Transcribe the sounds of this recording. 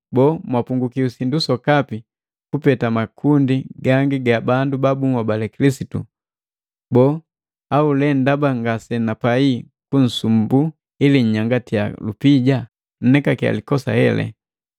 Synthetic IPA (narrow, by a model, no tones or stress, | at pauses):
bɔmwapuŋɡukiusindusɔkapi | kupɛtamakʰundiɡaŋɡiɡabandubabuŋwabalɛkilisitṵ | bɔ | aulɛndabaŋɡasɛnapai | kun̩sumbu | iliɲ̩ɲaŋɡatia̰lupiɟa | n̩nɛkakia̰likɔsa̰hɛ̰lɛ̰